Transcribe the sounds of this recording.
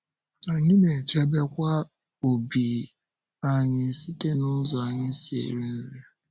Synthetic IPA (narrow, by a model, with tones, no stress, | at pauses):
a˨ɲɪ˦ne˨t͡ʃe˦be˦kʷa˦ | o˨bi˨ | a˨ɲɪ˦˨si˦te˦nʊ˦zɔ˨a˨ɲɪ˦si˨ḛ˨ɾi˦n̩˦le˦